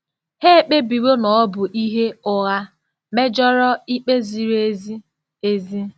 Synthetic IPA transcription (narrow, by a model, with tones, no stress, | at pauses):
he˦e˨k͡pe˦bi˨ɾo˦nɔ˨ɔ˦bʊ˨ʔi˦ɦe˦ʊ˦ɣa˦ | me˦d͡ʒɔ˦ɾɔ˦i˦k͡pe˦zi˨ɾe˦zi˦ | e˦zi˦